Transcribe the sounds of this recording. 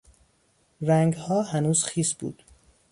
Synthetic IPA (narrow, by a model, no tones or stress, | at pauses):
ræŋɡhɒːɦænuːz̥xiːsbṵːd̪̥